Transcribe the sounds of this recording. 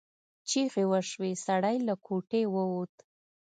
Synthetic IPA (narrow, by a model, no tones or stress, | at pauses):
t͡ʃiɣewəʃwesaɽajlakʰoʈewəwot̪